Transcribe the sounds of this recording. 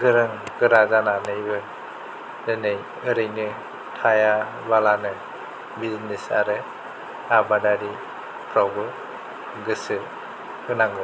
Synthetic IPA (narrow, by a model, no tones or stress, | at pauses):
ɡɯɾɯŋɡɯɾazananɯjbɯ | nɯnɯj | ɯɾɯjnɯ | tʰaja | balanɯ | biznesa̰ɾɯ | abadaɾi | pʰɾawɡɯ | ɡɯsɯ | ɯnaŋɡɯ